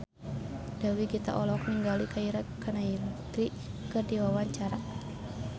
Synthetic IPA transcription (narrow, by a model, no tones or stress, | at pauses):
d̥awiɡit̪a̰ʔɔlɔk̚niŋɡalikaiɾakanailt̪ɾi | kɨrdiwawaɲt͡ʃaɾa